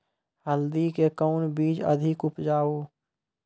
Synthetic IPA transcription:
həld̪ikekəʊnbiːd͡ʒə̰d̪ʱɪkʊpd͡ʒaːoː

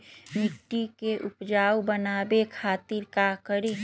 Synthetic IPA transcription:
mɪʈːikeʔʊpd͡ʒaːwbənaːbekʰaːt̪iɾkakəɾi

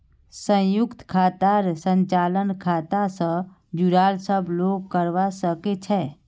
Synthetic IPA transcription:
sə̃jʊkt̪kʰaːt̪aɾsə̃nt͡ʃaːlənkʰaːt̪asə̃ | d͡ʒuɾaːlsəbʱloːɡ̚kəɾʋasəket͡ʃʰɛ

